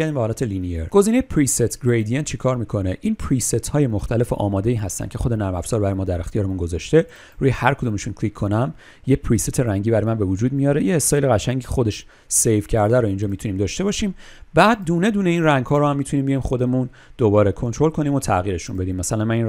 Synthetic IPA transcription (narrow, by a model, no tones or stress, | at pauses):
æɾd̪imbehɒːlæːt̪ʰelinijeɾɡ̥o̞ziːne̞jepʰɾiset̪ʰɡɾejd̪ijent͡ʃʰekʰɒːɾmiːkʰo̞neʔiːnpʰɾiset̪ʰhɒːje̞moxt̪æle̞fḛʔɒ̰ːmɒːd̪e̞iːɦæst̪æ̰n̥̚ʲcʰe̞xod̪enæɾmæfz̥ɒːɾbæɾɒːjemɒːd̪æɾe̞xt̪ijɒːɾemunɡo̞zɒʃt̪e̞ | ɾuːjehæɾkʰod̪uːmeʃunkʰlikʰːo̞næm | jepʰɾiset̪ʰe̞ɾæŋɟiːbæɾɔjmænbe̞vud͡ʒuːd̪̚mijɒːɾe̞jeːst̪ɒːjeleɣæʃæɲɟixo̞d̪e̞ʃ | sejvcʰæɾd̪æɾoind͡ʒɒːmit̪ʰuniːmd̪ɒːʃt̪e̞bɒːʃiːm | bæːd̪̚ːuːne̞d̪uːneiːnræŋɡhɒːɾohæmːit̪ʰuniːmbijɒimxo̞d̪e̞mun | d̪̥obɒːɾekʰo̞nt̪ʰɾo̞lkʰo̞niːmo̞t̪ʰæɣiːɾe̞ʃunbe̞d̪iːmːæsælænmænin